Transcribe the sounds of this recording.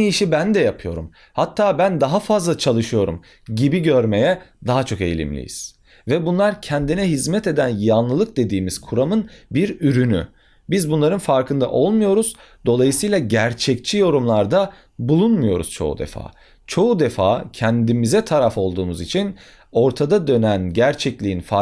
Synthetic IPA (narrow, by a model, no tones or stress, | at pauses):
iʃibænd̪ɛjapʰɯjo̞ɾum | hat̪ʰːaːbænd̪aɦafazlˠat͡ʃʰalˠɯʃɯjo̞ɾṵm | ɟibiɟøɾme̞jɛd̪aɦat͡ʃʰo̞ke̞̰jlʲḭmlʲḭjḭz̥ | vɛbunlˠaɾcʰɛnd̪inɛɦizmɛt̪e̞d̪ænjanlˠɯlˠɯk̚d̪e̞d̪iːmiz̥kʰuɾamɯnbiɾyɾyny̰ | bizbunlˠaɾɯnfaɾkʰɯnd̪a̰ʔo̞lˠmujo̞ɾuz̥ | d̪̥o̞lˠajɯsɯjlˠaɟæɾt͡ʃʰɛct͡ʃʰijo̞ɾumlˠaɾd̪a | bulˠunmujo̞ɾṵz̥t͡ʃʰo̞̰ṵd̪ḛfa̰ː | t͡ʃʰo̞ud̪efa̰ːcʰɛnd̪imizɛt̪ʰaɾafo̞lˠd̪uːmuzit͡ʃʰin | o̞ɾt̪ʰad̪ad̪ø̞nænɟæɾt͡ʃʰɛclʲiinfa